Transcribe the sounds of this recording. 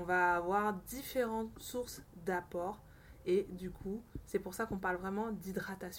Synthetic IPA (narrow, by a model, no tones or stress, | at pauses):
ɔ̃vaːvwaʁd̪ifeʁɑ̃t̪suʁsd̪apɔʁ | ed̪ykʰusɛpuʁsakɔ̃paʁlvʁɛmɑ̃d̪id̪ʁat̪asj̃